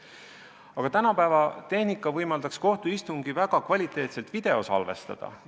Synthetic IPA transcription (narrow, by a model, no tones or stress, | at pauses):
ɑɡ̥ɑt̪ænɑpævɑt̪e̞hnikːˑɑvɤjmɑld̪ɑksko̞ht̪uist̪uŋɡivæɡ̥ɑkvɑlʲit̪ːˑe̞ːt̪selt̪vid̪̥e̞o̞sɑ̰lve̞̰st̪ɑ̰d̪̥ɑ̰